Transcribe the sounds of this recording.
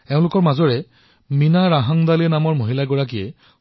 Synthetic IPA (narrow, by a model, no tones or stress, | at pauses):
ɛʊ̃lʊkɔɹmazɔɹɛ | minaɹaɦaŋd̪alinamɔɹmoɦilaɡɔɹak̬ijɛ